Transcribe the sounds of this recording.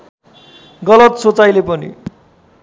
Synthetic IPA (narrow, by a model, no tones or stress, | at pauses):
ɡʌlʌt̪sot͡sajlepʌnḭ